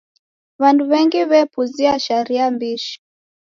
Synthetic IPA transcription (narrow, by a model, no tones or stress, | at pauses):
βanduβɛŋɡiβɛpuziaʃaɾiambiʃi̥